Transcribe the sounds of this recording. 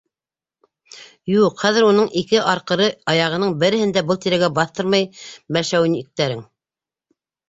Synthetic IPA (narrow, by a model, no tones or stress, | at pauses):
juqχæðɘɾunɤɴikɘʔɑɾqɤ̆ɾɤɑjɑʁɤ̆nɤɴbɘ̆ɾɘ̆hɘ̆nd̪æbɤlˠt̪iɾæɡæbɑθt̪ɤɾmɑjbælʃæwɘ̆nik̚t̪æɾɘŋ